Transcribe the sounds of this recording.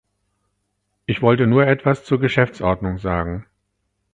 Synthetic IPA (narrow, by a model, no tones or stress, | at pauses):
ʔɪçv̥ɔltənuːɐʔɛtv̥ast͡suːɐɡəʃɛft͡sʔɔɐdnʊŋzaːɡŋ̩